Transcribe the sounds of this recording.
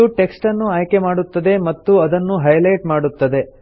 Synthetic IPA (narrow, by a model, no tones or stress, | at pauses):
uʈe̞ksʈɐnːuaːjke̞maːɽut̪ːɐd̪e̞mɐt̪ːuɐd̪ɐnːuɦɐjlɐjʈmaːɽut̪ːɐd̪e̞